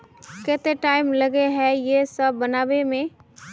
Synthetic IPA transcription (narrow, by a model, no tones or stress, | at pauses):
kɛːt̪eʈaːɪmlɐɡeɦɛjesəbːɐnaːwemẽ